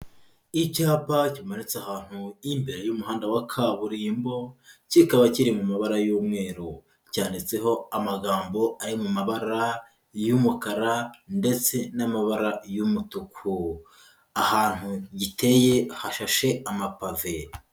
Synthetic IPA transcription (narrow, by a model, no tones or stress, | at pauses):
icaːpacimanit͡sahaːn̥huimbeɾejumuɦaːndawakʰaβuɾiːmbo̞cikaβaciɾimumaβaɾajuːmŋe̞ːɾu | caːndit͡se̞ɦo̞amaɡaːmbo̞aɾimumaβaɾa | jumukaɾande̞t͡se̞namaβaɾajumutukʰu | ahaːn̥huɟite̞je̞haʃaʃe̞amapave